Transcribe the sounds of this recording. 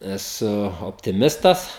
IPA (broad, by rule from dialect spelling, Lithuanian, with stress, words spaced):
ɛˈsʊ oːpʲtʲɪˈmʲɪstɐs